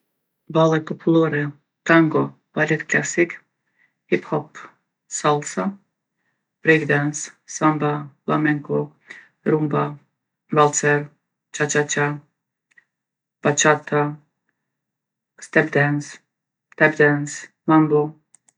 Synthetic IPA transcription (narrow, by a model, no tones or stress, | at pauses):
balɛpopʰulˠoɾɛ | t̪aŋɡo | balʲit̪klʲasik | hiphɔp | salˠsa | b̥ɾiɡd̪ɛnssambaflamɛŋko | ɾumba | valˠt̪sɛɾ | t͡ʃat͡ʃat͡ʃa | b̥at͡ʃat̪ʰa | st̪ɛbd̪ɛns | t̪ɛbd̪ɛns | mambo